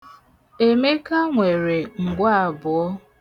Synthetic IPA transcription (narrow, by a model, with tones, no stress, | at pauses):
e˨me˦ka˦ŋʷe˨ɾe˨ŋ̩˨ɡʷa˦a˨bʊ˨ɔ˦